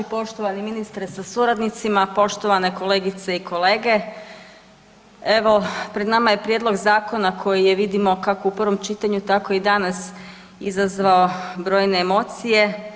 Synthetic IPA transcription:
po̞ʃt̪oʋaniminist̪ɾsasuɾad̪nit̪simapo̞ʃt̪o̞ʋane̞ko̞le̞ːɡit̪seikʰo̞le̞ːɡe̞ | e̞ʋo̞pɾe̞d̪namaje̞pɾjedlˠo̞ɡzaːko̞nakʰo̞jijeʋid̪imo̞kako̞upr̩ʋo̞mt͡ʃit̪aɲut̪ako̞id̪anas | izazʋaobɾo̞ːjne̞ːmo̞t̪sije̞

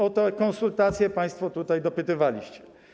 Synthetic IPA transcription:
ɔt̪ɛkɔ̃ñsult̪at̪sʲjɛpaj̃st̪fɔt̪ut̪ajd̪ɔpɘt̪ɘvalʲḭɕt͡ɕɛ̥

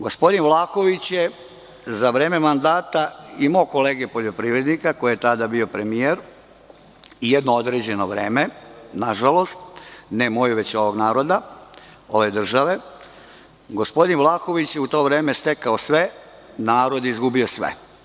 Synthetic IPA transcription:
ɡospo̞d̪inʋlˠaːxo̞ʋit͡ɕje | zaʋɾeːmemand̪aːt̪aimoko̞le̞ːɡepo̞ʎo̞pɾiʋɾed̪nikako̞jijet̪ad̪abio̞pɾe̞mijeɾ | ijed̪nood̪ɾeːd͡ʑe̞no̞ʋɾeːmenaʒalˠo̞st̪nemo̞juʋe̞t͡ɕo̞ʋo̞ɡnaːɾo̞d̪a | o̞ʋed̪r̩ʒaʋe̞ | ɡo̞spo̞d̪inʋlˠaːxo̞ʋit͡ɕjeut̪o̞ːʋɾeːmest̪ekaosʋe̞ | naːɾo̞d̪izɡubio̞sʋḛ

